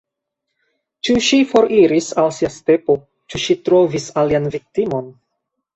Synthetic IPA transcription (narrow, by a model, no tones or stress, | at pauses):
t͡ʃuʃifo̞ɾiɾisalsiaste̞po̞ | t͡ʃuʃitɾo̞visalianvik̚timo̞n